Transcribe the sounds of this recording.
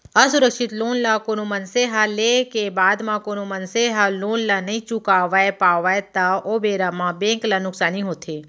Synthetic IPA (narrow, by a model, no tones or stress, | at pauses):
ɐsʊɾəkʃɪt̪loːnlakoːnomənseɦalekebaːd̪mãkoːnomɐnseɦaloːnlanɐɦĩt͡ʃʊkaːʋaːepaːʋaːet̪aoːbeːɾamãbẽːŋklanʊksaːniɦoːt̪ʰeː